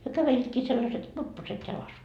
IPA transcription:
hyø kæʋeliːtkiː selːɑset kurpːoset jɑlɑs

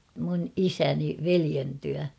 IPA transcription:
mun isæni ʋelien tyæ

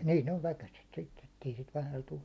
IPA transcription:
niːn oʋ ʋækæset sitːe etːei siːt ʋæhæl tu

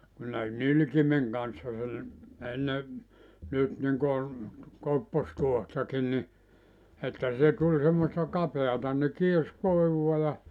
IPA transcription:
kun ne nylkimeŋ kɑnsːɑ sel enːe nyt niŋkon kopːostuohtɑkin ni etːæ se tulʲ semːostɑ kɑpeɑtɑ ne kiers koˑiʋuɑ jɑ

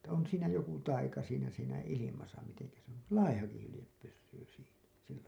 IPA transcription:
etːæ on siːnæ joku tɑikɑ siːnæ siːnæ ilimɑsɑ miteŋkæ se on lɑihɑki hylĭjep pysːyː siːnæ silːæ

